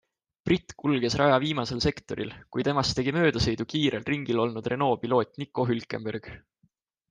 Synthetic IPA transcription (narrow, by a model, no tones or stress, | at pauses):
prit̪ːkulɡe̞srʔɑjɑviːmɑse̞lse̞kt̪o̞̰ɾḭlkujt̪e̞mɑst̪e̞ɡ̥imø̞ːd̪̥ɑse̞jd̪ukiːɾe̞lriŋɡ̥ilo̞lnud̪re̞no̞ːpilo̞ːt̪ˑnikːˑo̞ɦylkːˑe̞mberɡ̥